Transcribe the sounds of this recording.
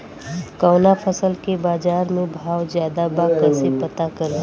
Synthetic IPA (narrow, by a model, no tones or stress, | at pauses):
kɔːnapʰəsəlkebaːzaːɾmẽbʱaːwzjaːd̪abaːkəsepət̪akɐɾ